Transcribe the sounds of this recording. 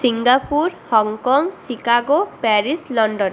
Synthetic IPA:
siŋɡapuɾhɔŋkɔŋsikaɡopɛɾislɔɳɖɔn

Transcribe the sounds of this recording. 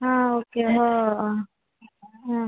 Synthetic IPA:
ɦãoːkeɦo | ɦã

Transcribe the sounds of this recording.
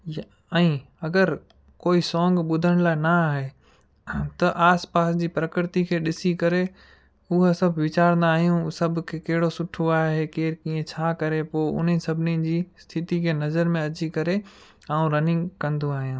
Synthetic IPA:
ɛ̃ː | ɐɡəɾ | koːisɔ̃ːŋɡɓʊd̪ʱəɽ̃laːɪnaaːɦe | t̪ɐʔaːspaːsd͡ʑiːpɾɐkɪɾɪt̪ikʰeːɗɪsikɐɾe | ʊɦosɐbʱʋɪt͡ɕaːɾə̃nd̪aːɦijũsɐb̆ʱkʰeːkɐɦɪɽosʊʈʰoaːɦekeːɾkĩːẽt͡ɕʰaːkɐɾepoːʊ̰n̤isɐbʱɪnid͡ʑiːst̪ʰɪt̪ikʰeːnɐzəɾmẽɐt͡ɕikɐɾe | ãːũɾɐnɪ̃ŋɡkɐ̃nd̪oaːɦijũː

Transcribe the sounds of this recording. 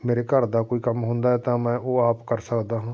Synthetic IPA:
meːɾeːkəɾd̪aːkoːiːkəmɦʊ̃nd̪aːɛːt̪ãːmɛ̃ːʔoːaːpkəɾsəkd̪aːɦãː

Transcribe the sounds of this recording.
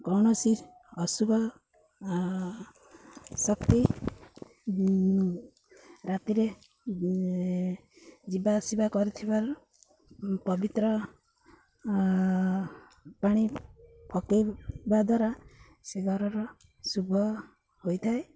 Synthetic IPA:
kɔwɽ̃ɔsi | ɔsubʱɔ | sɔkt̪i | ɾat̪iɾe | d͡ʒibasibakɔɾit̪ʰibaɾ | pɔbit̪ɾɔ | paɽ̃ipʰɔkibad̪ʱwaɾa | seɡʱɔɾɔɾɔ | subʱɔ | hojt̪ʰae

